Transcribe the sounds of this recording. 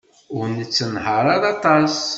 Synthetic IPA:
ʊɾnət͡sːənɦəɾˤɑðɑt̪ˤɑs

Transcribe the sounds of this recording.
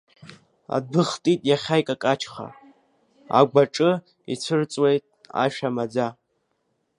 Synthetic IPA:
a̰d̚bɨχtʼitʼjaχʲajkʼakʼat͡ʃʰχa̰ | a̰ɡʷaʈ͡ʂʼɨ | it͡sʷʰɨrt͡sʼwejtʼa̰ʃᶣamad͡za

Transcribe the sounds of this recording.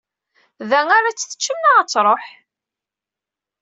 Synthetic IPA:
ðæŋaɾat͡sːθə̥t͡ʃːəmːaʁət͡sːɾˤoħ

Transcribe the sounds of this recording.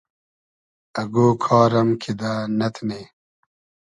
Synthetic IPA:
ɐɡoːkʰɑːɾɐmkʰid̪aːnɐt̪ʰneː

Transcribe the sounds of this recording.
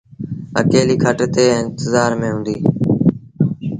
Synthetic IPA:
ə̰keːliːkʰəʈt̪eːɪ̃nt̪ɪzaːɾmẽːɦũːnd̪iː

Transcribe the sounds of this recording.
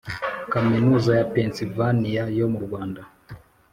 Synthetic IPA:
kaminuzajapɛnsivaniajɔmuɾwanda

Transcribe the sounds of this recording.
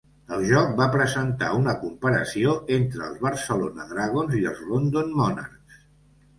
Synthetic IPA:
əlˠʒɔk̚bapɾəzənt̪a̰unəkumpəɾəsioʔent̪ɾə̰ːlˠzβəɾsəlonə̰ðɾaɣ̞onziəlˠzlond̪onmɔna̰rks

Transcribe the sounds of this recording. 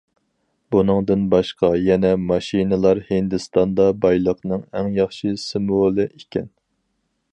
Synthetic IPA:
bunɨŋd̪ɨnbɑʃqɑjɛnɛmɑʃinɨlˠɑɾhɨnd̪ɨst̪ɑnd̪ɑbɑjlˠəqnɨŋɛŋjɑχʃɨsɨmvolˠɨʔekʲʰɛn

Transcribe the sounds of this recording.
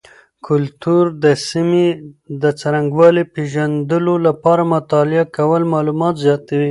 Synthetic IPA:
kʰʊlt̪uɾd̪əsimed̪ət͡saɾaŋɡwɑlepeʒand̪əlolapɑɾamʊt̪ɑlɪakawəlmɑlumɑt̪zjɑt̪awi

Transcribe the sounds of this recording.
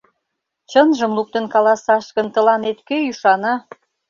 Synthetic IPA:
t͡ɕənʒəmluk̚t̪ə̆nkɑlɑsɑʃkə̆nt̪ə̆lɑnet̪køyʃɑnɑ

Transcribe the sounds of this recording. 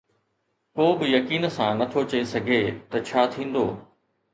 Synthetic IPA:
koːbɪjɐkiːnsãnɐt̪ʰot͡ɕɐesɐɡʱeːt̪ɐt͡ɕʰaːt̪ʰĩːn̆d̪o̰ː

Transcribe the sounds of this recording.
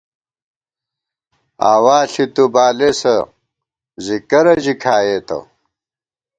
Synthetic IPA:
aːwaːɬit̪ubaːlesɐ | zikɐɾɐʑikʰaːjeːt̪ɐ̰w

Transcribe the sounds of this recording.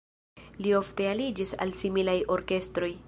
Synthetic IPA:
lio̞fte̞alid͡ʒisa̰lsimilajo̞ɾke̞stɾo̞j

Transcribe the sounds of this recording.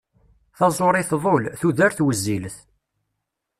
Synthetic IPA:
θɑzˤoɾˤɪθðˤolθuðæɾθwəzːilθ

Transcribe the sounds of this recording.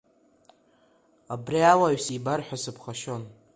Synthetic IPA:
abriawaɥsibarħʷᶣasɨpʰχaʃon

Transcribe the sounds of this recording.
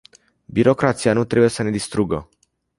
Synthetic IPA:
biɾo̞kɾat̪sianut̪ɾe̞buje̞səne̞d̪ist̪ɾuɡə

